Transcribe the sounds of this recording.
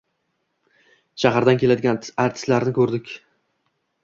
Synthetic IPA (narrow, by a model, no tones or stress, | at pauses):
ʃaɦaɾd̪ankʲʰelad̪ɪɡʲanaɾt̪ʰɪ̥slaɾnɪkʰɵɾd̪ɪkʲ